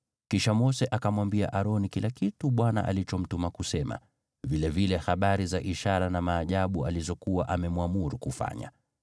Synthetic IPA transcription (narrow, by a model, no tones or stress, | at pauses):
kiʃamɔsɛʔakamwambia̰ʔaɾɔnikilakituɓwana̰ʔa̰lit͡ʃɔm̩tumakusɛma̰ | vilɛvilɛhaɓaɾizaʔiʃaɾanamaːʄaɓualizɔkuwaʔamɛmwamuɾukufa̰ɲa̰